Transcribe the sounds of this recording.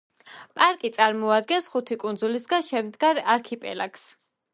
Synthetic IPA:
pʼaɾkʼit̪sʼaɾmɔad̪ɡɛnsχut̪ʰikʼund̪zulisɡanʃɛmd̪ɡaɾaɾkʰipʼɛ̰laks

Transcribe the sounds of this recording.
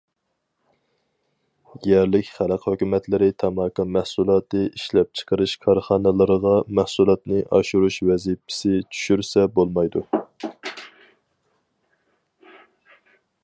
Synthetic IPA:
jɛɾlɪkʲχæləqhøkʲymɛt̪ʰlɪɾɪt̪ʰɑmɑkɑmæhsulˠɑːt̪ɨʔiʃlɛp̚t͡ʃʰə̥qəɾɨʃkʰɑɾχɑːnɨlˠɨɾəʁɑmæhsulˠɑt̪nɨʔɑʃuɾuʃwɛzipʰɪ̥sɪt͡ʃʰy̥ʃyɾsɛbolˠmɑjd̪u

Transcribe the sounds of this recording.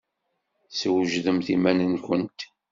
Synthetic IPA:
səwʒðəmθimænənkʷənt̪

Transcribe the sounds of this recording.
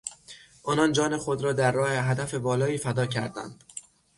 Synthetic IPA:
ʔɒːnɒnd͡ʒɒːne̞xod̪ɾɒːd̪æɾːɒːhe̞ɦæd̪æfe̞bɒːlɒːiːfæd̪ɒːcʰæ̰ɾd̪æ̰nd̪̥

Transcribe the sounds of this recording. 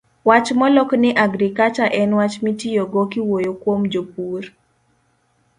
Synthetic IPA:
wat͡ʃmɔlɔknɪʔaɡɾikat͡ʃaʔɛnwat͡ʃmitijoɡɔkɪwojokwomd͡ʒopur

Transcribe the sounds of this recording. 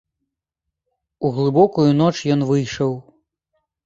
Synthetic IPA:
uɣlˠɨbɔkujunɔt͡ʂjɔnvɨjʂɐw

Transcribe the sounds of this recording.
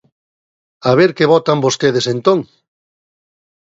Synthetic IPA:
aβ̞eɾkeβɔt̪ambost̪eð̞esent̪õŋ

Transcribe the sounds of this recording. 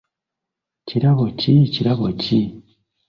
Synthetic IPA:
ciɾaβociciɾaβoci

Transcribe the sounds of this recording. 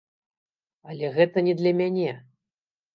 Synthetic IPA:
ɐlʲɛɣɛt̪ɐnʲɛd̪lʲɐmʲanʲɛ

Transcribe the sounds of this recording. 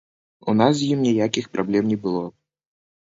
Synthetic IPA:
unas̬jimnʲijakʲixpɾʔablʲɛmnʲɛbɨlˠɔ

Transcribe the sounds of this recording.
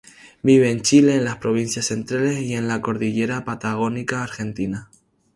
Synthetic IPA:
biβ̞e̞ːnt͡ʃile̞ːnlaspɾo̞β̞inθjasθe̞nt̪ɾale̞siẽ̞nlako̞ɾðiʎe̞ɾapat̪aɣ̞o̞nikaːɾxe̞nt̪ina

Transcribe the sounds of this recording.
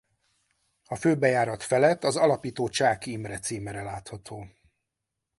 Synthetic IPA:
ɒføːbɛjaːɾɒt̪fɛlɛt̪ːɒzɒlɒpiːt̪oːt͡ʃaːkimrɛt̪siːmɛɾɛlaːt̪hɒt̪ʰoː

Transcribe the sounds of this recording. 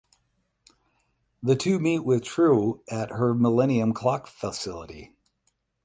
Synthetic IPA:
ðɨtʰʉmitwɪð̥tʰɹ̥uʔɨt̚hə˞məlɛñiɨ̃mkʰl̥ɑkfəsɪlˠə̰ɾi

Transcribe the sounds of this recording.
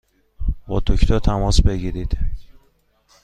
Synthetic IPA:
bɒ̰ːt̪ʰocʰt̪ʰɒt̪ʰæmɒsbeɡiːɾid̪̥

